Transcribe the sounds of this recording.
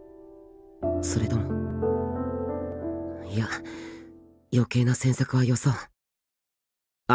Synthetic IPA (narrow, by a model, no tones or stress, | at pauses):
so̞ɾe̞t̪o̞mo | ija | jo̞ke̞ːnasẽsakɯ̟β̞ajo̞so̞